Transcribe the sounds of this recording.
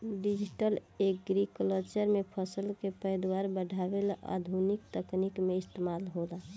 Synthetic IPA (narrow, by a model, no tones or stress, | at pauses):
ɖid͡ʒiʈəleɡɾikolət͡ʃəɾmepʰəsəlkepəjd̪waɾbəɖʱabelaʔa̰d̪ʱunik̚t̪əknikmeɪst̪emaːlɦola